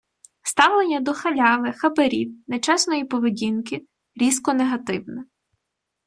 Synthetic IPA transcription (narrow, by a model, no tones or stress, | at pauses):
st̪ɑwlˠenʲːɐd̪ɔxɐlʲɑʋɪxɐbɐɾʲiwnet͡ʃɛsnɔjipɔʋedʲinkɪ | ɾʲiskɔneɦɐt̪ɪwnɛ